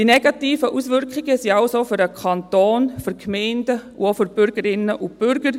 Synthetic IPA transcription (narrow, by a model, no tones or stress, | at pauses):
d̥inɛɡ̥ɑtiːfəʔusʋʏɾkχɪɡəsiɑʊsoːfyɾəkʰɑntoːnfyɾkʰmɛɪndəṵofyɾb̥ʏɾɡ̥əɾɪnːəʔʊb̥ʏɾɡ̥əɾ